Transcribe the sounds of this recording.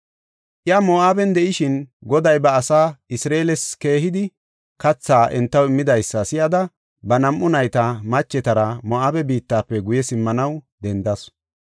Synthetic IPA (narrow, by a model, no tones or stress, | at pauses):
ʔjamoaːbɛnd̪ɛʔɪʃɪnɡɔd̪ɐjbɐːsaːɪsɾeːlɛske̞ːɦɪd̪ɪ | kɐt͡sːaːʔɛnt̪ːɐwɪmːɪd̪ɐjsːɐsɪjɐd̪ɐ | bɐnɐmʔʊnɐjt̪ɐmɐt͡ʃːɛt̪ɐɾɐmɔʔaːbɛbiːt̪ːaːpːɛɡʊjɛsɪmːɐnɐwd̪ɛnd̪ɐs